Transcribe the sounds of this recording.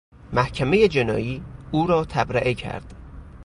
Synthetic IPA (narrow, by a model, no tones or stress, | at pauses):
mæhcʰæmejed͡ʒe̞nɒ̰ːjiːuːɾɒːt̪ʰæbɾæʔecʰæ̰ɾd̪̥